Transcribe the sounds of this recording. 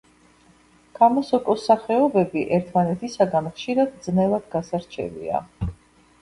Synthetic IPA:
kʰamɔsɔkʼɔsaχɛɔbɛbiʔɛɾt̪ʰmanɛt̪ʰisaɡanχʃiɾad̪̚d̪znɛlˠad̪ɡasaɾt͡ʃʰɛ̰vḭa̰

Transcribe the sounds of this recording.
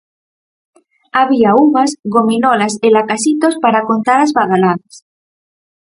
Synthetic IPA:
aβiauβasɣominolaselakasit̪ospaɾakont̪aɾazβaðalaðas

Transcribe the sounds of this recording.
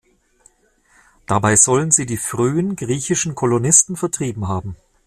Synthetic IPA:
d̥abaɪzɔlənziːdiːfʁ̥yːənɡʁiːçɪʃn̩kʰɔlonɪstn̩fɛɐtʁ̥iːbm̩ɦaːbm̩

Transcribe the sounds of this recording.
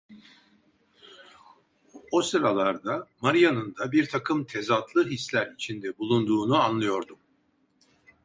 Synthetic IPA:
osɯɾalˠaɾd̪amaɾijanɯnd̪abiɾt̪ʰakʰɯmt̪ʰe̞zat̪lˠɯɦislʲæɾit͡ʃʰind̪ɛbulˠund̪uːnuanlˠɯjo̞ɾd̪um

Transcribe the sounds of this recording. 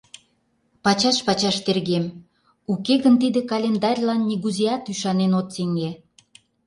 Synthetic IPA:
pɑt͡ɕɑʃpɑt͡ɕɑʃt̪erɣem | ukeɣənt̪id̪ekɑlʲend̪ɑrʲlɑnːiɣuziɑt̪yʃɑnenot̪seŋe

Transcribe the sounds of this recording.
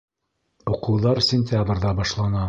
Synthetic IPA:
uqɤ̆wðɑɾsʲɪnʲt̪ʲabrðɑbɑʃlˠɑnɑ

